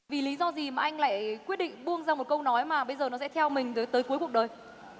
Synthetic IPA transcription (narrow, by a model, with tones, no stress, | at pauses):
vi˨˩li˨˦zɔ˧zi˨˩maː˨˩ʔa˧jŋ̟la̰ː˧˨jkwi˦˥ət̚ɗḭ˧˨ŋ̟ɓu˧əŋzaː˧mo˨˩t̚kə˧wnɔ˨˦jmaː˨˩ɓə˧jzəː˨˩nɔ˨˦sɛ̰˧˥t̪ʰɛ˧wmï˨˩ŋ̟t̪əː˨˦jt̪əː˨˦jku˨˦əjku˨˩ək̚ɗəː˨˩j